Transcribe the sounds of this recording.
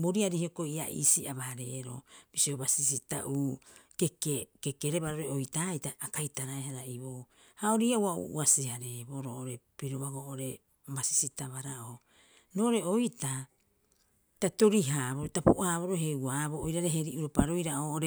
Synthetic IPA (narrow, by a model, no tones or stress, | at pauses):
boɾiaɾihiokoia̰ʔḭsiʔaβaɾe̞̰ɾo̰b̥isiobasisita̰ʔuːkekekekeɾe̞baɾoɾeojtajtaːkajtaɾaeɦaɾaʔiβo | haoɾiːawaṵʔṵasihaɾeboɾoʔoɾe̞piɾoβaɡoʔoɾe̞ | basi̥sitaβaɾaʔo | noʔoɾe̞ojta | tato̞ɾiɦaːβoɾotapuʔaːβo̞ɾoɦe̞uaβoojɾaɾe̞ɦe̞ɾiʔuɾopaɾojɾaoːʔoɾe